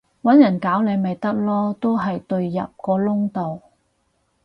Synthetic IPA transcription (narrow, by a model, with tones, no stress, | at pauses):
wɐ˨˥njɐ˨˩nkaː˨˥wle˨˧jmɐ˨jt̪ɐ˥k̚lɔː˥t̪o˥wɦɐ˨jt̪ɵ˧ɥjɐ̰˨p̚kɔː˧lʊ˥ŋt̪o˨w